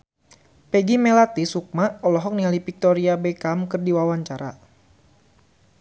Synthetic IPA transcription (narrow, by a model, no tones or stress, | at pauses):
pɛɡimɛlat̪isuk̚maɔlɔɦɔk̚nialipik̚t̪ɔɾiabɛkamkɨrdiwawaɲt͡ʃaɾa̰